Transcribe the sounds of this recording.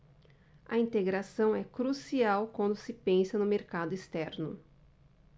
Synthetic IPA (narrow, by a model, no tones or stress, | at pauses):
ɐ̰ĩnt̪eɡɾasɐ̃w̃ɛkɾusiawkwɐ̃nd̪ʊsɪpẽsɐnʊmeɾkad̪ʊist̪ɛɾnʊ̰